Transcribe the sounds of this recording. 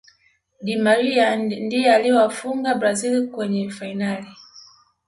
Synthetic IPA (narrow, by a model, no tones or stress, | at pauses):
ɗimaɾiandijɛaliɔwafuŋɡabɾazilkwɛɲɛfainali